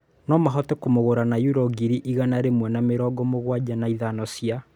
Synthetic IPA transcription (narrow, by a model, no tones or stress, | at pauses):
nɔmaɦɔtɛkomoɣoɾanajuɾɔɡiɾiʔiɣanaɾemwɛnameɾɔːɡɔmoɣwad͡ʒanaiðanɔsia